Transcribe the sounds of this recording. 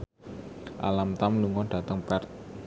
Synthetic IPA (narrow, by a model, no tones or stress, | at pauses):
ʔa̰lamt̪amluŋɔɖ̥ä̤t̪əŋpɛrt̪̚